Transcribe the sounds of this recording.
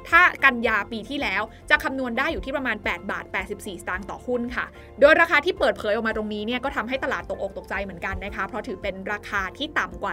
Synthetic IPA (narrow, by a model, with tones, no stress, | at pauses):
t̪ʰaː˥˩ka˧njaː˧piː˧t̪ʰiː˥˩lɛː˦˥w | t͡ɕa˨˩kʰa˧mnu˧əndaː˥˩jːuː˨˩iː˥˩pɾa˧maː˧npɛː˨˩t̪̚ba̰ː˨˩t̪̚pɛː˨˩t̪̚si˨˩p̚siː˨˩st̪aː˧ŋt̪ɔ̰ː˨˩hʰu˥˩nkʰa̰˥˩ | doː˧jɾaː˧kʰaː˧t̪ʰiː˥˩pɤː˨˩t̪̚pʰɤː˩˦jʔɔ˨˩maː˧t̪ɾo˧ŋniː˦˥ni˥˩ɐkɔː˥˩t̪ʰa˧mɦa˥˩jt̪a˧laː˨˩t̪ːo˨˩k̚ʔo˨˩k̚t̪o˨˩k̚t͡ɕa˧jmɯ˩˦ənka˧nːa˦˥kʰa˦˥pʰɾɔ˦˥t̪ʰɯː˩˦pe˧nɾaː˧kʰaː˧t̪ʰiː˥˩t̪a˨˩mkwaː˨˩